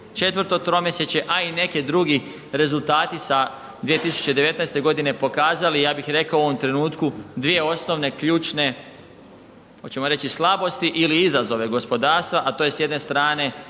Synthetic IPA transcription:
t͡ʃe̞t̪ʋəɾt̪o̞t̪ɾo̞meset͡ɕe̞ʔaine̞kid̪ɾuɡi | ɾe̞zulˠt̪aːt̪isa | d̪ʋijet̪isu̥t͡ɕe̞d̪e̞ʋe̞t̪najst̪e̞ɡo̞d̪ine̞po̞kaːzalijaːbixɾe̞kaouoʋomt̪ɾe̞nuːt̪kud̪ʋije̞o̞sno̞ʋne̞kʎuːt͡ʃne̞ | ot͡ɕe̞moɾe̞t͡ɕislˠabo̞st̪iʔiliizazo̞ʋe̞ɡo̞spo̞d̪aːɾst̪ʋaʔat̪oje̞sje̞d̪nest̪ɾaːne̞

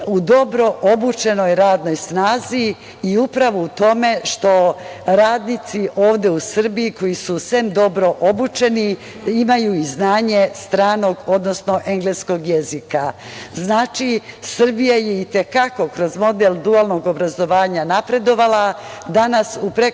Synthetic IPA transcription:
ud̪o̞bɾo̞ʔobut͡ʃe̞no̞jɾaːd̪no̞jsnaːzi | iupɾaʋout̪o̞me̞ʃt̪o̞ɾaːd̪nit̪siʔo̞ːʋd̪e̞usr̩biiko̞jisusemd̪o̞bɾo̞ʔobut͡ʃe̞ni | imajuiznaːɲe̞st̪ɾaːno̞ɡo̞d̪nosno̞ʔe̞ŋɡlesko̞ɡjezika | znaːt͡ʃisr̩bijajeit̪e̞kako̞kɾo̞zmo̞d̪eld̪ualno̞ɡo̞bɾazo̞ʋaːɲanapɾe̞d̪o̞ʋala | d̪anasupɾe

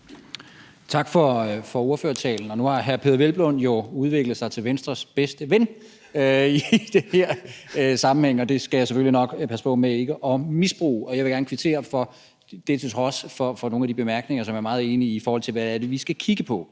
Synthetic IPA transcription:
t͡sʰɑ̈ɡ̥fɒfɒ̽o̝ɐføːɐt͡sʰɛ̰ːln̩ɒ̽nuhɑ̈ɦæɐpʰe̝ðˠɐʋelb̥lɔn̰jo̝uð̞ˠʋe̝ɡ̥ləð̩ˠsɑ̈ɪt͡sʰe̝lʋensd̥ʁɐsb̥esd̥əʋen | id̥e̝heɐ̰sɑ̈mm̩heŋ̰əɒ̽d̥e̝sɡ̥æjasefølinɒ̽ɡ̥pʰæsə̥pʰɔ̽mee̝ɡ̥əʔɒ̽misb̥ʁṵːʔɒ̽jɑɪʋe̝ɡ̥æɐnkʰʋit͡sʰe̝̰ɐfɒ̽ | d̥e̝t͡sʰet͡sʰʁɒ̽sfɒfɒ̽no̝ːnæd̥ib̥e̝mæɐɡ̥neŋɐsɒ̽mjæɐmɑ̈ːð̩ˠe̝ːniifɒːhɒlt͡sʰe̝lʋææɐdeʋisɡ̥ækʰiɡ̥əpʰɒ̽

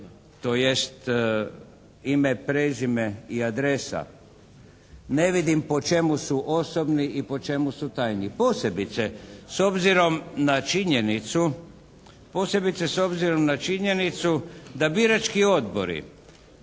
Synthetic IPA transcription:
t̪ojest̪ | imepɾezimeiad̪ɾe̞sa̰ | neʋid̪impo̞t͡ʃe̞musuʔo̞sobniʔipo̞t͡ʃe̞musut̪ajnipo̞ːse̞bit̪seso̞bziɾo̞mnat͡ʃiɲe̞nit̪su | po̞ːse̞bit̪seso̞bziɾo̞mnat͡ʃiɲe̞nit̪sud̪abiɾat͡ʃkio̞d̪bo̰ɾḭ

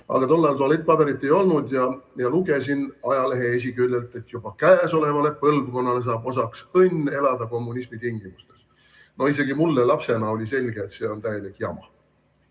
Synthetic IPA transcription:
ɑ̰ɡ̥ɑt̪o̞lːɑjlt̪uɑlet̪̚ːˑpɑb̥e̞ɾit̪ːˑe̞jo̞lnud̪jɑjɑluɡe̞s̬inɑjɑle̞ɦe̞es̬ʲikylːelt̪ˑe̞t̪jub̥ɑkæːso̞le̞vɑle̞pɤlbko̞nːɑle̞s̬ɑːbo̞sɑksɤnʲːe̞lɑd̪ɑko̞mːunismit̪iŋɡimust̪e̞s | no̞ise̞ɡ̥imulːelɑpse̞nɑo̞lʲise̞lʲɡeːt̪se̞ːo̞nt̪æje̞likjɑ̰mɑ̰

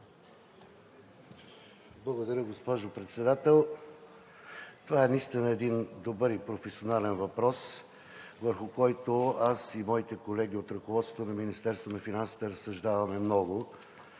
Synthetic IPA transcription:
blˠɐɡod̪ɐɾʲəɡospɔʒopɾɛt̪sɛd̪at̪ɛlˠ | t̪ovaɛnist̪inəɛd̪ind̪obɤɾipɾofɛsionalɛnvɐpɾɔs | vəɾxʊkɔjt̪oasimɔit̪ɛkolɛɡ̟iot̪ɾɐkovɔt̪t̪ot̪onɐminist̪ɛɾst̪vonɐfinansi̥t̪ɛɾɐsːɐʒd̪avɐmɛmnɔɡʊ

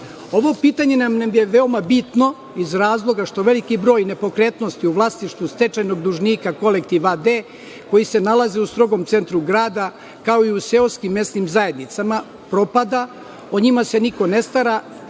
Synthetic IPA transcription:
o̞ʋo̞piːt̪aɲe̞namnamje̞ʋe̞omabit̪no̞ | izɾaːzlˠo̞ɡaʃt̪o̞ʋe̞likibɾo̞ːjne̞po̞kɾeːt̪no̞st̪iuʋlˠasniʃt̪ʋust̪e̞t͡ʃajno̞ɡd̪uʒniːkako̞lekt̪iʋad̪eː | ko̞jise̞nalˠazeust̪ɾo̞ɡomt̪se̞nt̪ɾuɡɾaːd̪a | kao̞iuseoskimːe̞st̪nimzaje̞d̪nit̪sama | pɾo̞pad̪a | oɲimase̞niko̞ne̞st̪aɾa

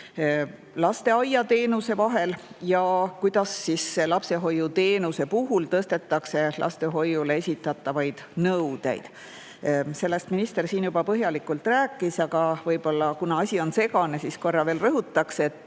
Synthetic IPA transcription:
lɑst̪e̞ɑjɑt̪e̞ːnuse̞vɑɦe̞ljɑkujd̪̥ɑsːisːelɑpse̞ɦo̞jut̪e̞ːnuse̞puɦult̪ɤst̪e̞t̪ːɑkse̞lʔɑ̰st̪e̞ɦo̞jːule̞esʲit̪ːˑɑt̪ːˑɑvɑjd̪̥nɤwd̪̥e̞̰jd̪̥ | se̞lːe̞st̪minist̪e̞rsiːnjubɑpɤɦjɑlikːˑult̪ræːkˑːisɑɡ̥ɑvɤjb̥o̞lːɑkunɑɑsʲio̞nse̞ɡɑne̞sisko̞rːɑveːlrɤɦut̪ːˑɑkse̞t̪ːˑ

